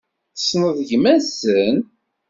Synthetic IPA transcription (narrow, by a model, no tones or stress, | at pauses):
snəðˤʝmæsən